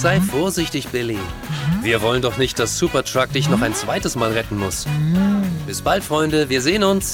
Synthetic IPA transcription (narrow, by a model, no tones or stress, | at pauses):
z̥aɪfoːɐzɪçtɪçb̥ɪliviːɐvɔləndɔχnɪçt̚d̥asz̥uːpɐtʁ̥ak̚d̥ɪçnɔχaɪnt͡sv̥aɪtəsmaːlʁɛtn̩mʊs | b̥ɪsb̥altfʁ̥ɔʏndəviːɐzeːənʊns